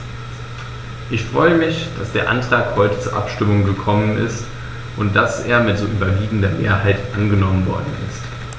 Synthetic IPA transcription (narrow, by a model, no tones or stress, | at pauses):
ʔɪçfʁ̥ɔʏəmɪçd̥asd̥eːɐʔa̰ntʁ̥aːkhɔʏtə̥t͡suːɐʔa̰pʃtɪmʊŋɡəkʰɔmənʔɪ̰st | ʔʊnt̚d̥asʔeːɐmɪtz̥oːʔyːbɐviːɡŋ̩dɐmeːɐɦaɪtʔanɡənɔmənvɔɐdn̩ɪ̰st